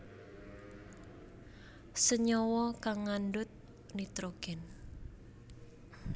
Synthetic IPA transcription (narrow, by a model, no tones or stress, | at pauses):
səɲɔwɔkaŋːandʊt̪̚ | nit̪ɾoɡ̥ɛn